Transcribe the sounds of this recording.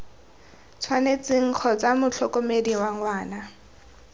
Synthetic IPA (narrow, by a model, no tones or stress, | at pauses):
t͡sʰwanet͡sɪŋ̩k͡xʰɔt͡samʊt͡ɬʰɔkomediwaŋwaːna